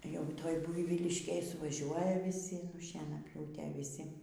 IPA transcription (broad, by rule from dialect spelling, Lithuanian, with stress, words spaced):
jɛʊ ˈtoːj ˈbʊɪʋʲiːlʲɪʃʲkʲeːj sʊʋɐˈʒʲuɔjɛ ʋʲiːˈsʲɪ nʊ ʃʲiɛnɐˈpʲjuːtʲeː ʋʲɪˈsʲɪ